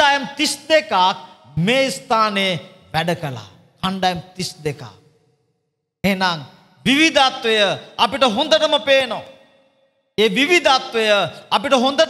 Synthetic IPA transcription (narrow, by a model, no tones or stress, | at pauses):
aːjəmt̪isd̪ekaːk̚meːist̪ʰaːneː | ʋæɖəkəla̰ː | kʰaɳɖaːjəmt̪isd̪eka̰ːk̚ | enaŋ | ʋiʋid̪ʱat̪ʋejəɐpiʈəɦund̪əʈəməpeːno | eːʋiʋid̪ʱat̪ʋejəɐpiʈəɦond̪əʈ